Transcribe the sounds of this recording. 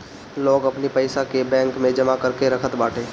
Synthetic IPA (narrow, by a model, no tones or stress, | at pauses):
loːɡɐpnipɐɪsakebɛ̃ːŋkmẽd͡ʒɐmakɐɾkeɾɐkʰət̪baːʈʰeː